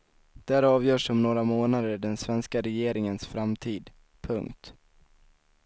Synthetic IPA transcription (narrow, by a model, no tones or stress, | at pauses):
d̪̥ɛæɾɑːvjœːʂɔmnoːɾamoːnad̪əɖɛnsvɛnskaɾɛjeːɾɪŋənsfɾamt̪ʰiːd̪ | pʰɵŋkt̪